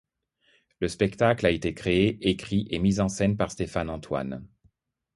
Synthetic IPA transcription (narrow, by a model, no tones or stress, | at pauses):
ləspɛkt̪aklaet̪ekχeeekχiʔemizɑ̃sɛnpaʁst̪efanɑ̃t̪wa̰n